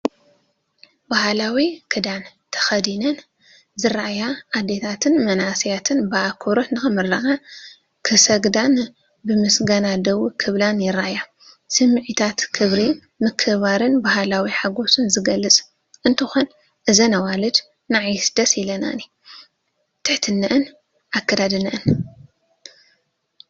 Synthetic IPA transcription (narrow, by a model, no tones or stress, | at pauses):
bahlawikʰɨd̪ant̪ʰɐ̥xɐd̪inɐn | zɨɾaʔjaʔad̪et̪ʰat̪ʰɨnmɐnasijat̪ʰɨnbɨakʰoɾotnɨxɨmɨɾɐʔa | kʰɨsɐɡd̪an | bɨmɨsɡɐnad̪ɐwukʰɨβlanjɪɾaʔja | sɨmːɨʕit̪ʰat̪kʰɨβɾi | mɨkʰɨβaɾɨnbaɦalawiħaɡo̞sɨnzɨɡɐlːɨt͡sʼ | ʔɨnt̪ʰɨxon | ʔɨzɐnawalɨd͡ʒ | naʕjsd̪ɐsilɐna̰ni | t̪ʰɨħt̪ʰɨnːɐʔɨn | ʔakːɐd̪ad̪ɨnɨʔɨn